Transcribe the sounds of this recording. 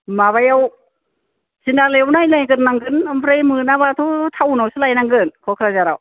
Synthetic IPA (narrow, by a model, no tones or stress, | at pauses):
maβajaw | sinalajawnajnajɡɯnːaŋɡɯnɯmpʰɾajmɯnaβatʰɔtʰawunawsɯlajnaŋɡɯnkʰɔkʰɾazaɾa̰w